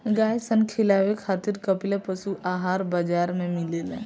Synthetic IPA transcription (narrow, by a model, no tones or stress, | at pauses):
ɡaːjsənkʰɪlaːʋekʰaːt̪ɪɾkɐplepɐsuʔaːɦaːɾbəd͡ʒaːɾmẽmɪlelḛ̃ː